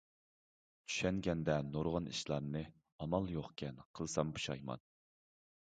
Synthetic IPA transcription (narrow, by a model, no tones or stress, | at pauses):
t͡ʃʰy̥ʃɛŋɡʲɛnd̪ɛnoɾʁɑnʔiʃlˠɑɾnɨ | ɑmɑlˠjoχkʲʰɛnqʰəlˠsɑmpʰu̥ʃɑjmɑ̰n